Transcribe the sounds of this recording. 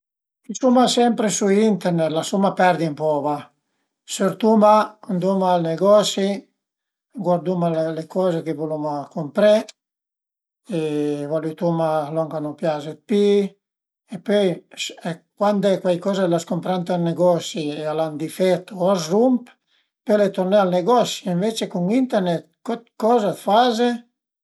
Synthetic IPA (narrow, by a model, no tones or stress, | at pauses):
kisumasɛmpɾesuint̪ɛɾnɛt̪lasumapɛɾd̪impɔva | søɾt̪umaand̪umaːlneɡɔsi | ɡwaɾd̪umalelekʰɔːzekevulumakompɾe | evɔlut̪umalɔŋkanopjazet̪̚pi | epøjskwand̪ɛkwajkɔzelaskompɾant̪alneɡɔsiealand̪ifɛt̪ːoazrump | pølet̪ornɛalneɡɔsiiɱvet͡ʃekuŋint̪ɛɾnɛt̪̚kɔt̪̚kɔzat̪faze